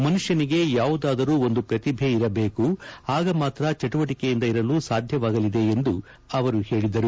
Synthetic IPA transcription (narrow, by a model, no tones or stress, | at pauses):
mɐnuʂjɐniɡe̞jaːʋud̪aːd̪ɐɾuːo̞nd̪upɾɐt̪ibʱeiɾɐbe̞ːkuaːɡɐmaːt̪ɾɐt͡ʃɐʈuʋɐʈikejind̪ɐiɾɐluːsaːd̪ʱjɐʋaːɡɐlid̪e̞end̪u | ɐʋɐɾuhe̞ːɭid̪ɐɾu